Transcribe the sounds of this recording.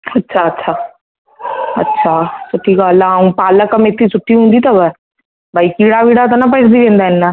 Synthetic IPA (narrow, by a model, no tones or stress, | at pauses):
ɐtːʃʰaɐtːʃʰaː | ɐ̰tːʃʰasʊʈʰːikaːlaũpaːləkɐmɪt̪ʰːisʰʊʈʰːiɦũːnd̪it̪ɐbə | bʱaikiːɽaʋiːɽat̪anapəʈd̪ibẽːnd̪aɪnːa